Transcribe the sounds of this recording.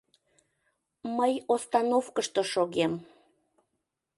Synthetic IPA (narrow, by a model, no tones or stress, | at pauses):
məjost̪ɑnofkəʃt̪oʃoɣem